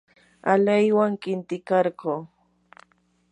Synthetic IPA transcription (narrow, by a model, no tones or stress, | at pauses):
alajwaŋkɪnt̪ɪkɑɾɢoː